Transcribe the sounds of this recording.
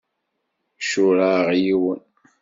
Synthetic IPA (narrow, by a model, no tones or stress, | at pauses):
ʃʊɾaʁjiwən